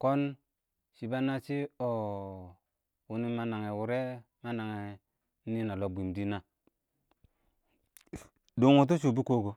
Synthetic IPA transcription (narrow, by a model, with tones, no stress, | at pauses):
ko˦n | ʃi˨ba˦na˦t͡ʃi˦o˨ | wu˨ni˦ma˦na˨ŋe˨wu˨ɾe˦ | ma˦na˨ŋe˨˦ | i˦na˨lo˨bʷi˨m˨di˦na˦ | do˨ŋo˨t̬u˦t͡ʃu˨bu˦ko˦ɡo˨